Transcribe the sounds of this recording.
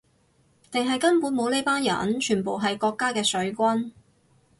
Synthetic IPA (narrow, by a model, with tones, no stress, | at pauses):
t̪ɪ˨ŋɦɐ˨jkɐ˥npuː˨˥nmo˨˧wne˥jpaː˥njɐ̰˨˥nt͡ʃʰyː˨˩npo˨wɦɐ˨jkɔː˧kːaː˥kɛː˧sɵ˨˥ɥkʷɐ˥n